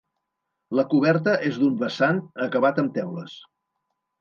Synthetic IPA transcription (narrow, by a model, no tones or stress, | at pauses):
ləkuβɛɾt̪̬əʔezd̪umbəsanəkəβat̪əmt̪ɛwləs